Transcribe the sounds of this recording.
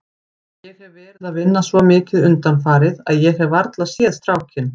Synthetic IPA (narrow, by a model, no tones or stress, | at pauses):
jɛɣhɛvːɛːɾɪðaðvɪnːasvɔmɪːcɪðʏnt̪anfaːɾɪðaðjɛɣɛvaɾt̪laðsjɛːðst̪ɾaːwcʰɪn